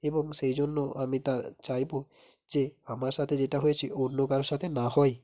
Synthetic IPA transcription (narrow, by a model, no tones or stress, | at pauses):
ebɔŋʃejd͡ʑonːoamit̪at͡ɕajbo | zeamaɾʃat̪ʰed͡ʑeʈaɦojet͡ɕʰiʔonːokaɾoʃat̪ʰenahɔj